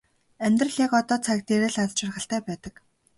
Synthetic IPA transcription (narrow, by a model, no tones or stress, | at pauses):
æmʲt̪rə̆ɮjakɔt̪ɔːt͡sʰak̚t̪eɾĕːɮatt͡ɕarχə̆ɬt̪æːpæːt̪ə̆k